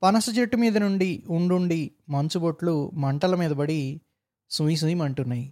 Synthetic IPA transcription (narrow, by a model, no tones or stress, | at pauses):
pɐnɐsɐt͡ʃeʈːumiːd̪ɐnuɳɖiuɳɖuɳɖimɐɲt͡ʃuboʈlumɐɳʈɐlɐmiːd̪ɐbɐɽi | sujs̬ujimɐɳʈunːaːji